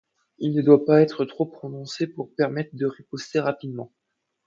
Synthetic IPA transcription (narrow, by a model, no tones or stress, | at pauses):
ilnəd̪wapaɛt̪χət̪χopχɔnɔ̃sepuʁpɛʁmɛt̪χəd̪əʁepɔst̪eʁapid̪mɑ̃